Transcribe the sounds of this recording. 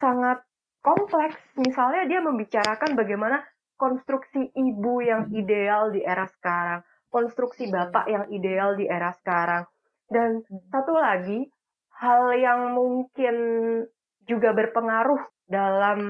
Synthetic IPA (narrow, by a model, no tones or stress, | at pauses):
saŋat̪̚ | kɔmplɛksmisalɲadiaməmbit͡ʃaɾakanbaɡajmana | kɔnst̪ɾuksiʔibujaŋidealdiʔeɾasə̥kaɾaŋ | kɔnst̪ɾuksibapa̰ʔjaŋidealdiʔeɾasə̥kaɾaŋ | dansat̪ulaɡi | haljaŋmuŋkɪn | d͡ʒuɡabərpəŋaɾʊh | dalam